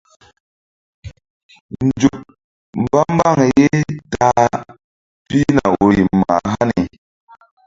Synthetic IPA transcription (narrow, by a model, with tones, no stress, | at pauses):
nd͡ʒu˨k̚ | m˨ba˦m˦ba˦˨ŋe˨je˦ta˦ | pi˦na˨o˨ji˨ma̰˨ɦa˦ni˨